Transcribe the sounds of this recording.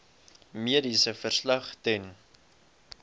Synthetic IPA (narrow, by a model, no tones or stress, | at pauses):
miəɾisəfərslɐχtɛn